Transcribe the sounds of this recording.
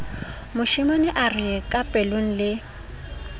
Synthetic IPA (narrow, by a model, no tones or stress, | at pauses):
mʊʃɪmanɪʔarɪkʼapʼɛloŋ̩lɪ